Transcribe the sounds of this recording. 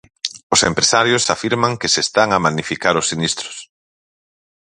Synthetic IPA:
ʊsempɾesaɾjʊsafiɾmaŋkɪsest̪aŋamanifikaɾʊsːinist̪ɾʊ̥s

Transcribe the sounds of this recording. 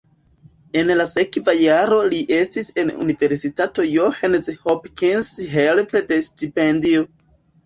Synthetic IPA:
e̞nlase̞kvajaɾo̞liʔe̞stise̞nṵnive̞ɾsitato̞johanshopkinsɦelpede̞stipendio

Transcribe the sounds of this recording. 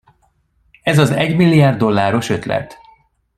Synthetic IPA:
ɛzɒzɛɟmilːijaːrd̪ːo̞lːaːɾo̞ʃø̞t̪lɛ̰t̪

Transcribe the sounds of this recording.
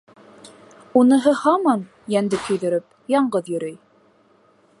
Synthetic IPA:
unɤ̆ɦɤhɑmɑn | jænd̪ɘkʰɵ̆jðɵ̆ɾɘp̚jɑɴɢɤðjɵ̆ɾɵj

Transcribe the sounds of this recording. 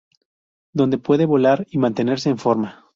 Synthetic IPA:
d̪o̞nd̪e̞pwe̞ðe̞βo̞laɾimãnt̪e̞ne̞ɾse̞ːɱfo̞ɾma

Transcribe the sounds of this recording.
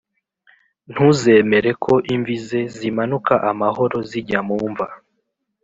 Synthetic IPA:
n̥huze̞me̞ɾe̞kʰo̞ʔiɱvize̞zimanukaʔamaho̞ɾo̞ziɟamuːɱva

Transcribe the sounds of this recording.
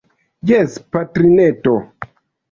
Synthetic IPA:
jɛspatɾineto

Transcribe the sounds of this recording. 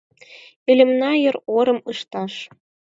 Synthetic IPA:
ĕlʲɘ̆mnɑjɤ̆roɾɤ̆mɯʃt̪ɑʃ

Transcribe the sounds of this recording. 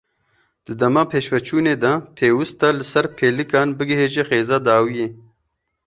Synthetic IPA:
d̪̥ɨd̪ɐmaːpʰeːʃwɐt͡ʃʰuːneːd̪at̪ʰeːwɨst̪alɨsɐɾpʰeːlɨkaːnbɨɡɪɦeːʒexeːzad̪aːwijeː

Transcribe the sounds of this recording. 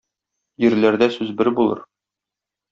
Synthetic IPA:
jɘ̆ɾlæɾd̪æsʉzbɘɾbulˠɤ̰ɾ

